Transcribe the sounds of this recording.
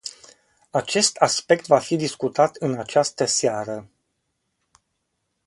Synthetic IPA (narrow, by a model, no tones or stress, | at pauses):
at͡ʃe̞st̪aspe̞k̚t̪vafid̪iskut̪at̪ɨnat͡ʃast̪əsaɾə